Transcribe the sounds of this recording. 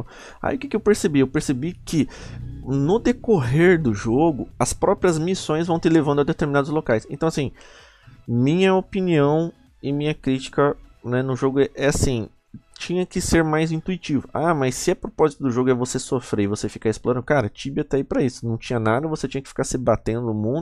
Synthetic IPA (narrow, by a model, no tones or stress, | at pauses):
a̰j̰iʊkɪkɪewpeɾsebiewpeɾsebikɪ | nʊd̪ekoɦeɾd̪ʊʒoɡʊɐspɾɔpɾiɐzmisõj̃zvɐ̃w̃t̪elevɐ̃nd̪ɐd̪et̪eɾminad̪ʊzlokajsẽnt̪ɐ̃w̃ɐsĩ | mĩɲɐopiniɐ̃w̃ | ɪmĩɲɐkɾit͡ʃi̥kɐnɛnʊʒoɡʊɛʔɛasĩ | t͡ʃĩɲɐkɪseɾmajzĩt̪uit͡ʃivʊamɐsːɪɛpɾopɔzit̪ʊd̪ʊʒoɡʊɛvosesofɾeivosefi̥kaɪsploɾɐ̃nd̪ʊkaɾɐt͡ʃibɪɐt̪ɛipɾɐisʊnɐ̃w̃t͡ʃĩɲɐnad̪ɐvoset͡ʃĩɲɐkɪ̥fi̥kaɾsɪbat̪ẽnd̪ʊʊmũnd̪ʊ